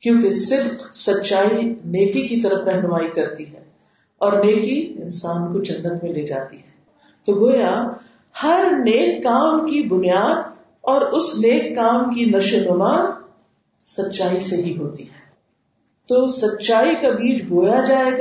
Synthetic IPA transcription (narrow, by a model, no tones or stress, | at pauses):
kjõːk̬esɪd̪qsɐtːʃaːineːkikit̪ɐɾəfɾɛɦnʊmaːikɐɾt̪iɦɛ̃ː | ɔːɾneːkiɪnsaːnkod͡ʒɐnːət̪mẽleːd͡ʒa̰ːt̪iɦɛː | t̪oːɡoːja | hɐɾneːkːaːmkibʊnijaːd̪ | ɔːɾʊsneːkːaːmkinɐʃənʊmaːn | sɐtːʃaːiseɦiɦoːt̪iɦɛː | t̪oːsɐtːʃaːikabiːt͡ʃbʱoːjad͡ʒaːeːɡ